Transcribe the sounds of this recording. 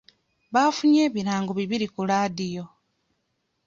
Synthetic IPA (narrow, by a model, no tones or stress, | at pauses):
βaːfuɲe̞ːβiɾaːŋɡoβiβiɾikulaːdijo̞